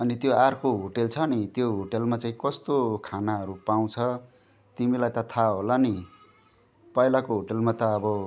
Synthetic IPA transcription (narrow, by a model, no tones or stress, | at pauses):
ʌnit̪joarkoɦoʈelt͡sʰʌnit̪joɦoʈelmat͡saĩkʌst̪okʰanaɦʌɾupaw̃t͡sʰʌ | t̪imilajt̪ʌt̪ʰaɦolani | pʌilakoɦoʈelmat̪ʌːbʌ